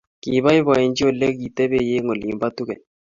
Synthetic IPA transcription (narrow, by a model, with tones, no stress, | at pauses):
ki˨βa˦i˦βa˨ɛ˨nd͡ʒi˦o˦˨lɛ˦ki˨tɛ˦be˦je˦ŋo˨li˨mba˦tu˦kɛ˨n